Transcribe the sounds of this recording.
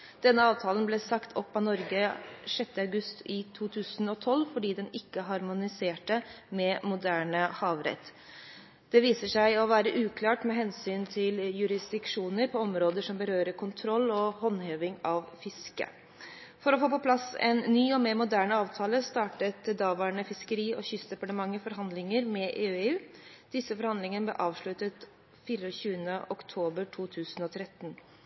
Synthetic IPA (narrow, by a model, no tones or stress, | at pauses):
d̪̥ɛnːəɑːʋt̪ʰɑːlənblɛsɑkt̪ʰɔpːɑnɔɾɡəʂɛt̪ːəɑʉɡʉst̪ɪt̪ʰuːt̪ʰʉːsənɔt̪ʰɔlːfɔɖiːd̪ɛnɪkːəɦɑɾmʊnɪseːʈə | mɛmʊd̪æːɳəhɑːʋɾɛ̰t̪ː | d̪̥ɛʋiːsəʂæɪɔʋæːɾəʔʉːkʰlɑːʈmɛɦɛnsyːnt̪ʰɪljʉɾɪsd̪ɪkʂuːnəɾpʰɔɔmɾoːd̪əʂɔmbəɾøːɾəɾkʰʊnt̪ʰɾɔlːɔhɔnːheːʋɪŋɑʋfɪskə̰ | fɔɾɔfoːpɔpʰlɑsɛ̰nːyːɔmeːɾmʊd̪æːɳəɑːʋt̪ʰɑːləst̪ɑːʈət̪d̪ɑːʋɑːɳəfɪskəɾiːʔɔçʏsd̪ɛpɑʈəmɑŋːəfɔɾɦɑnd̪lɪŋəɾmɛʔeːøeːʉːd̪̥ɪsəfɔɾhɑnɪŋənəb̪lɛʔɑːʋʂɭʉt̪ət̪ | fiːɾɔɕʉːənəʔɔkt̪ʰoːbəɾʈʰuːt̪ʰʉːsənɔt̪ʰɾɛt̪ːn